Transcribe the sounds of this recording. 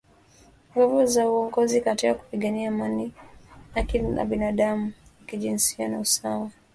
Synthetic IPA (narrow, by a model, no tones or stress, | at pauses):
ŋɡɔvɔzauɔŋɡɔzikatiaku̥piɠaniaːmaniakina̰ɓinaɗamuwakiʄinsianausawa